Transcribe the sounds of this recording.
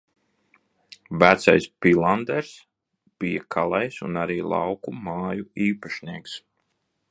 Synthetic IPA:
væt̪sajspilˠand̪ɛɾs | b̥ijakʰalˠajsṵnaɾiːlˠa̰wkumaːjuiːpaʃniɛks

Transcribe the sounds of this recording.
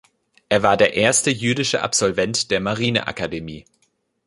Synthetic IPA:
ʔeːɐvaːɐdeːɐʔeːɐstəjyːdɪʃəʔa̰pz̥ɔlvɛntd̥eːɐmaʁiːnə̰ʔa̰kademiː

